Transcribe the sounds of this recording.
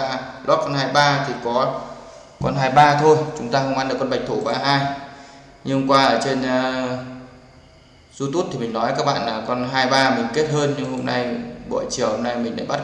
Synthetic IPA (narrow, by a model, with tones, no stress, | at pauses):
aː˧˩lʔɔ˦˥t̚kɔ˧nhaː˧jɓaː˧t̪ʰi˨˩kɔ˨˦ | kɔ˧nɦaː˧jɓaː˧t̪ʰo˧jt͡ɕʊ˨˦ŋ͡mt̪aː˧xə˧wŋ͡mʔa˧nɗɨ˨˩kːɔ˧ɓa˨˩jk̚t̪ʰo˧˩ɓaː˧ɦaː˧j | ɲɨ˧ŋkwaː˧ʔəː˧˩t͡ɕe˧nː˧ | zu˧t̪u˦˥t̚t̪ʰi˨˩mï˨˩ŋnɔ˨˦jka˦˥k̚ɓa̰ː˧˨nlaː˨˩kɔ˧nɦaː˧jɓaː˧mï˨˩ŋ̟ke˦˥t̚ɦəː˧nɲɨ˧ŋɦo˧mna˧jɓo̰˧˨jt͡ɕi˧˩əho˧mna˧jmi̟˨˩ɗa̰ː˧˥jɓa˦˥